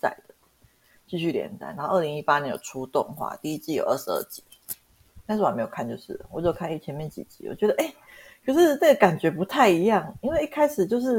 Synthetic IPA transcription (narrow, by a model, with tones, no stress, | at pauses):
t͡sa̰˥˩ɪd̪̥ə˩ | t͡ɕi˥˧ɕy˥˩˨ljɛ̰˧˥nt͡sa˥˩ɪn˧˦xo˥˧ʊə˥˩li˧˦ŋi˥pa˥njɛ˧˦njo̰˨˩ʊ˩ʈ͡ʂʰu˥t̪ʊ̰˥˧ŋxwa̰˥˧t̪i˥˧i˦˥t͡ɕi˥˩jo˨˩ʊʔə˥˩ʂɻ̩˧˦ə̰˥˩t͡ɕi̥˧˥˦ | t̪a˥˧s̩˥˩˨m˧˥˧jo˨˩kʰa˥˧nt͡ɕjo˥˧ʊʂɻ̩̰˥˩wɔ˨˩t͡ɕo˥˩kʰa˥˧ne˥˩ɪt͡ɕʰjɛ˧˥nmjɛ˥˩nt͡ɕḭ˨˩t͡ɕḭ˧˥wɔ̰˨˩t͡ɕɥɛ˧˥d̪ə˧ʔe˥˩ɪ | t͡ɕo˥˧ʊʂɻ̩˥˧na˥˩ɡə˩ka˨˩nt͡ɕɥɛ˨˥pu˧˥t̪ʰa˥˩ɪi˧˥jɑ˥˩ŋi˥nwe˥˧i˥˩kʰa˥ɪʂɻ̩˨˩t͡ɕjo˥˧ʊʂ̬ɻ̩˥˩